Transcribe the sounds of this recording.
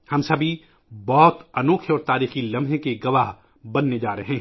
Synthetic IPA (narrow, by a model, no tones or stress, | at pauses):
hɐmsɐbʱi | bɔːt̪ɐnoːkʰeɔːɾt̪aːɾiːxilɐ̃mʱɦẽkeɡɐʋaːɦ | bɐnːed͡ʒaːɾeɦɛ̃ː